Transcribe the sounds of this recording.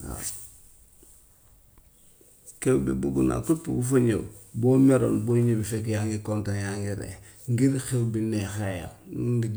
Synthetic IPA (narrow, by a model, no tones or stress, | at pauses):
a̰ | kewbḭbuɡuna̰kupːuɡufuɲḛbomeɾo̰ːnboɲibifekjaŋɡikontanjaŋɡiɾḛ | ŋɡiɾxewbinexaja̰lŋɡi